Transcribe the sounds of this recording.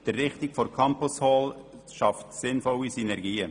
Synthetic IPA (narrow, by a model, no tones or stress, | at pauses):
d̥ərːɪχtɪkfɔɾkʰɑmpʊshɔːl | ʃɑftsɪnfɔwisynɛɾɡiːə